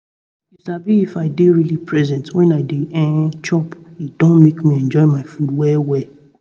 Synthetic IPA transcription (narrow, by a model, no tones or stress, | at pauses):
isabiifaɪdeɹilipɹɛzɛ̃ntwɛ̃naɪdeɛ̃t͡ʃɔpid̥ɔ̃nmekmĩɛ̃nd͡ʒɔɪmaɪfũnwɛwɛ